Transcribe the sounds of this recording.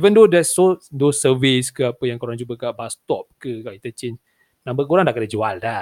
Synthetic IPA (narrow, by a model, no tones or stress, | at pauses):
ivəndodɛsodosəviskəapəjaŋkoɾaŋd͡ʒubəkaʔbast̪ɔp̚kəkaʔit̪ət͡ʃen | nãmbəkuɾaŋndakədəd͡ʒualda